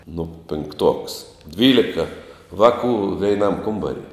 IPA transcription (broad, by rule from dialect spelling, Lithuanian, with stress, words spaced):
nʊ pʲɪŋkˈtuɔks ˈdʲʋʲiːlʲɪkɐ ˈʋɑːkuː ʋʲɛɪˈnɐm ˈkʊmbɐrʲɪ